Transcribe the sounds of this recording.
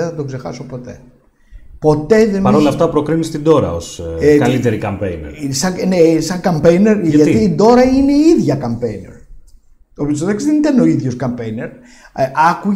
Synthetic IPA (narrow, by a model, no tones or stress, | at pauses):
eθɐt̪o̞kse̞xɐ̰sopo̞t̪ḛ | po̞t̪e̞ðenɐɾɾolɐft̪ɐpɾo̞kɾinist̪id̪o̞ɾɐ̰osekɐlit̪eɾikɐmpḛjnḛɾsɐnesɐŋkɐmpejneɾtʝɐt̪iːd̪o̞ɾɐineiðʝɐkɐmpejnḛɾ | opost̪oðeksiðenit̪ɐneo̞iðʝo̞skɐmpejneɾ | ɐku